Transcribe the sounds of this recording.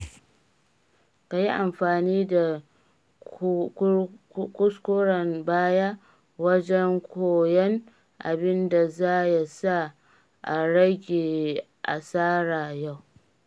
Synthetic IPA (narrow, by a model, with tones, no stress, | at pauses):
ka˨ji˦ʔa˨mɸaː˨niː˦da˨ | kʊ˦skʷoː˦ɽɐ˨mbaː˦ja˦ | wɐ˦d͡ʒɛ˦ŋkʷoː˨jɛ˦ŋ | ʔa̰˨bɪ˦nda˨zaː˦ja˨sa˦ | ʔa˨ɽɐ˦ɡʲeː˨ | ʔa˨saː˦ɽaː˨ja˦˨w